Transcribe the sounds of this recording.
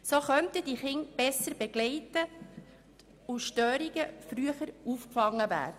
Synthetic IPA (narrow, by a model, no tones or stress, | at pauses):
soχœnt̪əd̥iχɪŋb̥ɛsːəɾb̥ɛɡ̥lɛɪtə | uʃtøːɾiɡəfɾyəχəɾuːfkfɑŋːəvæ̰ːɾd̥ə